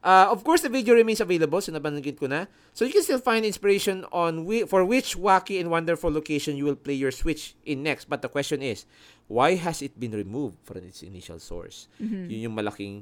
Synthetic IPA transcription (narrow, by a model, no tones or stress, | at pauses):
ʔaɔv̥kɔɹsd̪ɐvid̪eoɹɪmẽnsɐvejlɐbɐlsʊnɐbɐnɐɡɪd̪̚kʊna | sojʊkɛ̃nst̪ilfãj̃nd̪ɪnspɪɹejʃɔ̃nɔ̃nwfɔɹwɪt͡ʃwakiɛ̃nd̪wɐ̃nd̪ɛɹfulːokejʃɔ̃njuwɪlplejjɔɹswɪt͡ʃʔɪ̃nːɛkst̪̚bɐt̪̚d̪ɐkwɛst͡ʃɔ̃nɪs | wajɦɐsɪt̪̚bɪ̃nɹɪmuvd̪̥̚fɹɔ̰̃mɪt̪sɪ̰niʃɐ̰lso̰ɹsjʊnjʊŋmɐlɐ̰kɪ̰̃ŋ